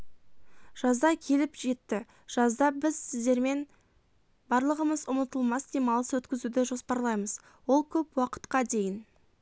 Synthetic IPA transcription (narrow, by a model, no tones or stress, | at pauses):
ʒ̥ɑzd̪ɑkʲʰe̞lɪpʒe̞t̪ːɪ | ʒ̥ɑzd̪ɑbɪzsɪzd̪e̞ɾme̞n | bɑɾlˠəʁəməzʊmət̪əlˠmɑsd̪emɑlˠəswɵt̪kʲɪzud̪ɪʒo̞spɑɾlˠɑjməz | wo̞lˠkʲʰɵpwɑqə̥t̪qɑd̪e̞jɪn